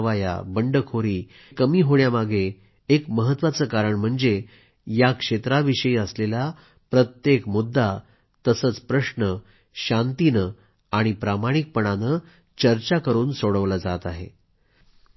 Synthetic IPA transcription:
ʋaja̰bəɳɖəkʰoɾiː | kːəmiːɦoɽjamaɡʱeː | kməɦət̪ːʋat͡səːkaɾəɳm̤əɳd͡ze | jakʂet̪ɾaʋiɕəiəslela | pɾət̪jekmud̪ʱːa | t̪əsəːt͡spɾəɕnə | ɕant̪inə | aɽ̃ipɾamaɽ̃ik̚pəɳ̃anə | t͡ɕəɾt͡ɕakəɾuːnsoɽəʋlad͡zat̪aɦḛ

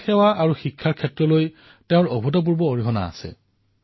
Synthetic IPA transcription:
xɛwaʔaɹuxikʰːaɹkʰɛtɹɔloj | teʊ̃ɹobʱutɔp̬uɹbɔːɹiɦɔna̰ːsɛ̰

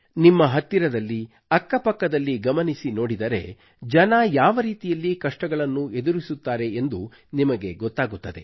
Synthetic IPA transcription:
nimːɐɦɐt̪ːiɾɐd̪ɐlːi | ɐkːɐpɐkːɐd̪ɐlːiɡɐmɐnisino̞ːɽid̪ɐɾe̞̰ | d͡ʒɐnɐjaːʋɐɾiːt̪ijɐlːikɐʂʈɐɡɐɭɐnːue̞d̪uɾisut̪ːaːɾe̞end̪u | nimɐɡe̞ɡɔt̪ːaːɡut̪ːɐd̪e̞

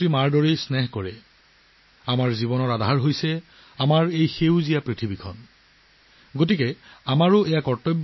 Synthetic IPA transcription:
ɹimaɹdɔɹejsnɛɦkɔɹɛ | amaɹzibɔnɔɹadʱaɹɦojsɛ | amaɹejxewzijapɹitʰibikʰɔ̰n | ɡot̬ikɛamaɹʊʔɛjakɔɹtɔb

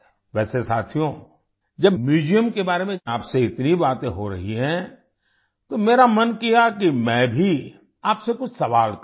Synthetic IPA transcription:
ʋɛːsesaːt̪ʰijõ | d͡ʒɐbmjuːd͡ʒijəmkebaːɾemẽaːpseɪt̪nibaːt̪ẽɦoɾɐ̰ɦiɦɛ̃ː | t̪omeːɾamɐnkijakimɛ̃ːbʱi | aːpsekʊt͡ʃʰsɐʋaːlk

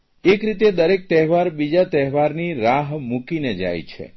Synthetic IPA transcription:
ekɾit̪̬ed̪əɾek̚t̪ɛɦʋaɾbid͡ʒat̪ɛɦʋaɾniɾaɦmukined͡ʒa̰jt͡ʃʰḛ

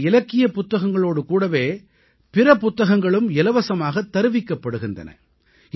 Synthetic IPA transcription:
ɪlɐkːɪjɐpʊt̪ːɐɣɐŋɡɐɭoːɽɯkuːɽɐʋeː | pɪɾɐpʊt̪ːɐɣɐŋɡɐɭɯmɪlɐʋɐsɐmaːɣɐt̪ːɐɾɯʋɪkːɐpːɐɽɯɣɪndɐ̰nɐ̰

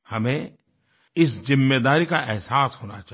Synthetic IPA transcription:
hɐmẽ | ɪszɪmːeːd̪aːɾikaʔɛɦsaːsɦoːna̰t͡ʃa

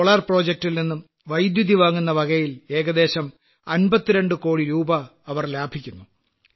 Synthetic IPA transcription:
oɭɐrpro̞ːd͡ʑek̚ʈilninːum | ʋɐjd̪jud̪ʱiʋaːŋːunːɐʋɐɡɐjile̞ːɡɐd̪e̞ːɕɐm | ɐnbɐt̪ːiɾe̞ɳɖɨko̞ːɽiɾuːbɐːʋɐrlaːbʱikʲːunːu

